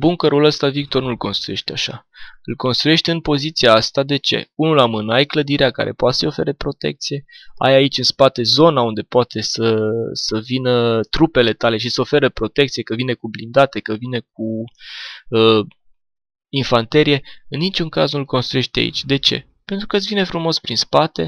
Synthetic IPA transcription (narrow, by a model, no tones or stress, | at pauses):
buŋkəɾuləst̪avik̚t̪o̞rnulko̞nst̪ɾuje̞ʃt̪eaʃa̰ɨlko̞nst̪ɾuje̞ʃt̪eɨnpo̞zit̪siaast̪ad̪e̞t͡ʃe̞̰unulamɨnəajkləd̪iɾeaka̰ɾḛpoat̪səjo̞fe̞̰ɾepɾo̞t̪e̞̰k̚t̪sije̞a̰jait͡ʃʲɨnspat̪e̞zo̞naund̪e̞poat̪ʰe̞səsəvinət̪ɾupe̞le̞t̪ale̞ʃisəo̞fe̞ɾəpɾo̞t̪e̞k̚t̪siekəvinekublind̪at̪e̞kəvine̞k̚u | ə | infant̪e̞ɾije̞ɨnːit͡ʃuŋkaznulko̞nst̪ɾuje̞ʃt̪ea̰ḭt͡ʃʲd̪e̞t͡ʃe̞̰ | pe̞nt̪ɾukət̪svinefɾumo̞spɾinspat̪e̞̰